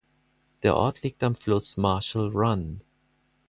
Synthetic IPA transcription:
d̪̥ə̰ʔɔ̰tʰlik̚tãmfloːsmaːʃəlɹʌ̃n

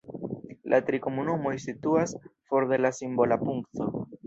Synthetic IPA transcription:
lʔat̪ɾikomunumo̞jsituasfo̞ɾde̞lasimbo̞lapuŋkto̞

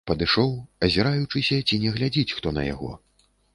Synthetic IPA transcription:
pɐd̪ɨʂɔwɐzʲɛɾajut͡ʂɨsʲɐt͡sʲinʲɛɣlʲad͡zʲit͡sʲxt̪ɔnɐ̰ja̰ɣɔ̰

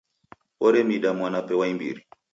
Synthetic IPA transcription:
ɔɾɛmiɗamwanapɛwaimbḭɾi

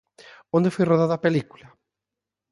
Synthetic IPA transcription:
õnd̪efojroðaðapelikula

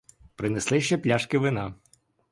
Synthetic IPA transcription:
pɾɪneslˠɪʃt͡ʃɛplʲaʃkɪʋɪnɑ

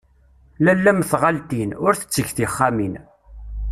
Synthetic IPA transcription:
lælːæmθʁalt̪inʊɾθə̥t͡sːəçθiχːamin

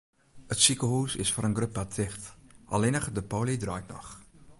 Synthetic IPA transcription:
ətsikəɦuːsɪ̰sfoːɾənɡrøp̚atɪχtʔɑ̰lɪnəχdəpowlidrœːjtnɔ̰χ

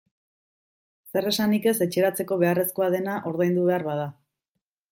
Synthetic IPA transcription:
se̞re̞sanike̞se̞t͡ʃe̞ɾat͡se̞ko̞βe̞are̞sko̞aðe̞naʔo̞ɾðajnd̪uβe̞aɾβað̞a

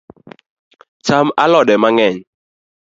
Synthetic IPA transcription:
t͡ʃama̰lɔɗɛmaŋɛɲ

